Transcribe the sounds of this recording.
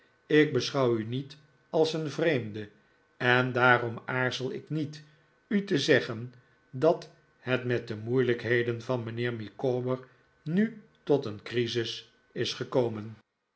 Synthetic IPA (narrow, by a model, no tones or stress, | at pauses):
ɪk̚bəsχɑwynit | ɑlˠsənvrejmdə | ɛndaːrɔmaːɹzəlˠɪ̰knit | ytəzɛχən | dɑt | hɛtmɛt̚dəmujləkɦejdənvɑnmənɪːɹmikoːbəɹ | nytɔtənkrizɪs | ɪsχəkowmən